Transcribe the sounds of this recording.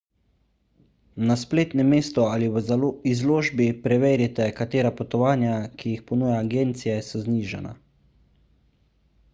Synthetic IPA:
naspleːt̪nɛmeːst̪ɔaliwzizloːʒbipɾɛʋeːɾjɛt̪ɛkat̪eːɾapɔt̪ɔʋaːnjakʰijixpɔnuːjaːɡeːnt̪sijɛsɔzniːʒɛ̰na̰

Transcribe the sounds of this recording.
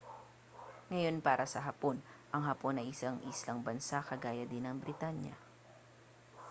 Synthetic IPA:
ŋɐjo̞npaːɾʔɐsɐɦɐpo̞nʔɐŋɦɐpo̞nɐjʔɪsaŋʔiːslɐŋbɐnsakɐɡaːjɐd̪ɪnɐŋbɾɪt̪aɲjɐ̰

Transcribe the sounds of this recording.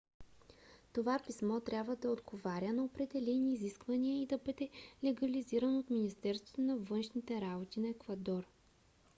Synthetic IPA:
t̪ovapismɔt̪ɾʲabvəd̪ɐod̪ɡovaɾʲənɐopɾɛd̪ɛlɛniːziskvɐniəid̪ɐbɤd̪ɛlɛɡɐliziɾɐnot̪minist̪ɛɾst̪vo̥t̪onɐvɤnʃnit̪ɛɾabot̪inɐɛkvɐd̪ɔɾ

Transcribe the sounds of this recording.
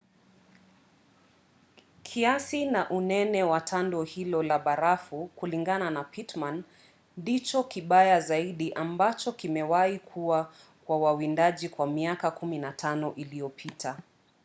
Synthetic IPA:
kʰiasinaʔunɛnɛwatʰandɔhilɔlaɓaɾafukuliŋɡananapitman | dit͡ʃɔkiɓajazaiɗiʔambat͡ʃɔkimɛwaikʰuwa | kwawawindaʄikwamiakakuminatʰanɔʔilijɔpʰitʰa

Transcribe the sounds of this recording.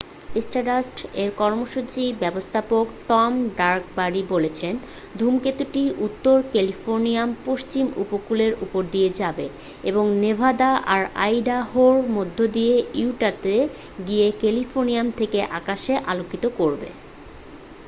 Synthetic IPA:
esʈaɖasʈeɾkɔɾmoʃut͡ɕibɛbost̪ʰapokʈɔmɖaɾkbaɾibolet͡ɕʰen | d̪ʱumket̪uʈiʔut̪ːoɾkelifoɾnijampoʃt͡ɕimṵpokuleɾʔupoɾd̪ijed͡ʑabe | eboŋnebʱad̪aʔaɾa̰jɖaɦoɾmod̪ʱːod̪ijeiʈat̪e | ɡiekelifʰoɾniamt̪ʰekeʔakaʃeʔalokit̪okoɾbḛ

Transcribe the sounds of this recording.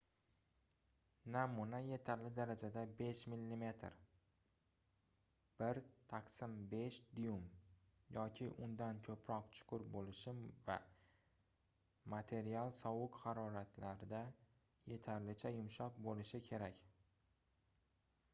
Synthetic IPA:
namʊnaje̞t̪ʰaɾlɪd̪aɾad͡ʒad̪abe̞ʃmilːime̞t̪ʰɾ | b̥ɪɾt̪ʰaqsɪmbe̞ʃd̪ijumjɒkʲʰɪʔʊnd̪ankʲʰɵpʰɾɒqt͡ʃʰʊ̥qʰʊɾbolɪʃɪva̰ | mat̪ʰe̞ɾialˠsɒwʊkhaɾɒɾat̪ʰlaɾɪd̪a | je̞t̪ʰaɾlɪt͡ʃʰajʊmʃɒq̚bolɪʃɪkʲʰe̞ɾakʲ

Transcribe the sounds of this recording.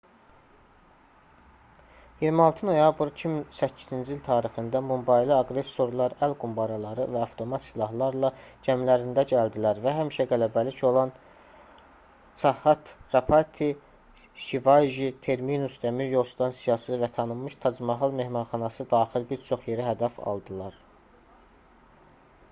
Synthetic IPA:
jiɾmiɑlˠt̪ʰɯno̞jɑbɾicʰiminsæcʰːizind͡ʒiilʲt̪ʰɑːɾixɯnd̪ɑmumbɑjliɑɡɾe̞sːo̞ɾlˠɑɾælɡumbɑɾɑlˠɑɾɯ̰væɑft̪ʰo̞mɑt̪silˠɑhlˠɑɾlˠɑd͡ʒæmlæɾind̪æɟæld̪ilæɾvæɦæmiʃæɡælæbælico̞lˠɑn | t͡ʃʰɑhɑt̪ɾɑpʰɑɾt̪ʰi | ʃivɑjʒit̪ʰe̞ɾminust̪æmiɾjo̞lˠst̪ʰɑnsijɑsɯvæt̪ʰɑnɯmːɯʃt̪ʰɑd͡ʒmɑɦɑlˠme̞hmɑnχɑnɑsɯd̪ɑːχilbiɾt͡ʃʰo̞χje̞ɾiɦæd̪æfɑ̰lˠd̪ɯlˠɑɾ

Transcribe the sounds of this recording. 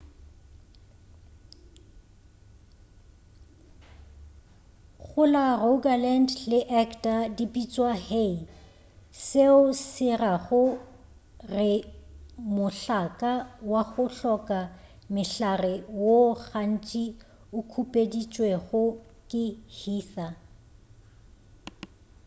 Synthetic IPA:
ɣʊlaroɡalɛntlɪʔɛkʰtʼadipʼit͡sʼwahei | seʊsɪraɣʊ | rɪ | mʊɬakʼawaɣʊɬɔkʼa | mɪɬarɪwoɣan̩t͡ʃʼi | ʊkʰupʼedit͡ʃʼweɣʊkʼɪhiːθa

